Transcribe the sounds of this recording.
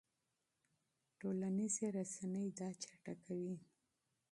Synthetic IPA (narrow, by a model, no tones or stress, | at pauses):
ʈolanizeɾasanəjd̪ɑt͡ʃḁʈakawi